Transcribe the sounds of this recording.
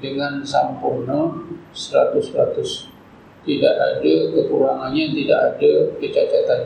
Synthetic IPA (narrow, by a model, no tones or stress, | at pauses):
dəŋansampʊrnasəɾat̪ʊsɾat̪ʊs | t̪idaʔa̰dakək̪uɾaŋanɲat̪ida̰ʔadakət͡ʃakat̪an